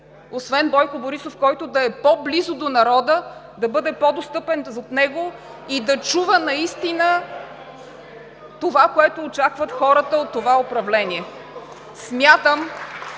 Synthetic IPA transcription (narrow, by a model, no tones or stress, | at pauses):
osvɛnbɔjkoboɾisofkɔjt̪ʊd̪ɐɛpɔblizod̪onɐɾɔd̪ə | d̪ɐbɤd̪ɛpɔd̪ost̪ɤpɛnot̪nɛɡo | id̪ɐt͡ʃuvənɐist̪inə | t̪ovakoɛt̪ʊːt͡ʃakvət̪xɔɾət̪əot̪ːovaopɾɐvlɛnʲiɛ | smʲjat̪əm